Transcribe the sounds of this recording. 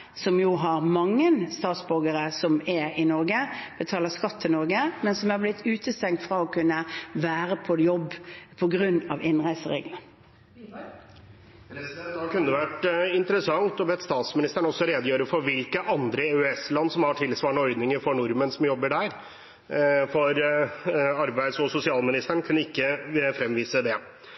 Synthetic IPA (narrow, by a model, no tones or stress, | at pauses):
sɔmjuːɦɑɾmɑŋːənst̪ɑːt̪sbɔɡəɾəsɔmɛɪnɔɾɡəb̥ət̪ʰɑːləskɑt̪ʰːɪlnɔɾɡəmɛnsɔmæɾblɪt̪ʰːʉːt̪ʰəst̪ɛŋkt̪fʁɑɔkʰʉnːəʋæːɾəpʰɔjɔbːpʰɔɡɾʉnːɑ̰ʋɪnʁæɪsəʁḛːɡlən | pɾɛɛnd̪ɑkʰʉnːd̪əʋæʈɪnt̪əɾəsɑŋt̪ɔbɛt̪st̪ɑːt̪smɪnɪst̪æɳɔsːɔɾeːd̪jøːɾəfɔɾʋɪlkəʔɑnd̪ɾəeːʉɛslɑnːsɔmhɑʈʰɪlsʋɑːɳɔɔʏd̪nɪŋəɾfɔɳʊɾmənsɔmjɔbːəɖæɾ | fɔɾ | ɑɾbæɪd̪sɔsʊsɪɑːlmɪnɪst̪əɳkʰʉnːəɪkːəfɾɛmʋiːsəd̪ɛ